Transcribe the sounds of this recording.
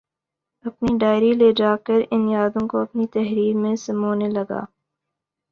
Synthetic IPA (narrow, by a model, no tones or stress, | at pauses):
ɐpniɖaːɪɾileːd͡ʒaːkəɾɪnjaːd̪õkoɐpnit̪ɛɦɾiːɾmẽsɐmoːnelɐɡa̰ː